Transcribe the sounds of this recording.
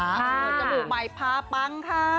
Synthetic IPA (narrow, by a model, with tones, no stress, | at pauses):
aː˨˦ku˨˩˦t͡ɕa˧buː˨˩k̚ma˨˧˩jpʰaː˧˥pa˧˥ŋkʰa˦˧˥